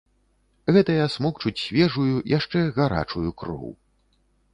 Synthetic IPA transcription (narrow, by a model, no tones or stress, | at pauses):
ɣɛt̪ɐjasmɔkt͡ʂut͡sʲsʲvʲɛʐujujaʂt͡ʂɛɣaɾa̰t͡ʂujukɾɔ̰w